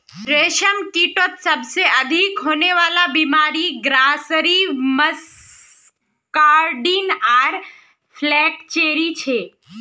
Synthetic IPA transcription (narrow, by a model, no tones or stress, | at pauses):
ɾeːʃəmkiːʈət̪səbseɐd̪ʱikɦoːneʋaːlabimaːɾiɡɾaːsɾiməs | kaːɾɖinaːɾ | pʰlɛːkt͡ʃeːɾit͡ʃʰeː